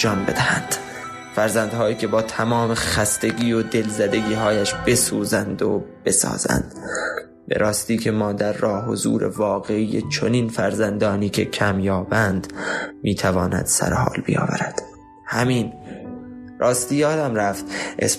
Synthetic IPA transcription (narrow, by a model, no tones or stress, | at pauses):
d͡ʒɒːnbe̞d̪æhænd̪̥ | fæɾzænd̪hɒːiːkʲʰe̞bɒːt̪ʰæmɒːme̞xæst̪eɡiːod̪e̞lzæd̪e̞ɡiːɦɒːjæʃb̥e̞suːzænd̪o̰b̥e̞sɒ̰ːz̥æ̰nd̪̥ | bḛɾʔɒːst̪iːkʰe̞mɒːd̪æɾːɒːɦo̞zṵːɾe̞̰vɒːɣe̞iːjḛt͡ʃʰoniːnfæɾzænd̪ɒːniːkʰe̞cʰæmjɒːbænd̪miːt̪ʰævɒːnæ̰d̪̥sæ̰ɾehɒ̰ːlbḭjɒ̰ːvæ̰ɾæd̪̥ | hæmiːn | rʔɒːst̪iːjɒːd̪æmɾæft̪ʔḛs